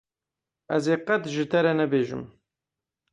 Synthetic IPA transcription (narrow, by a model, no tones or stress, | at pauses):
æzeːqɐt̪ʒɨt̪ɛɾɛnɛbeːʒɨ̰m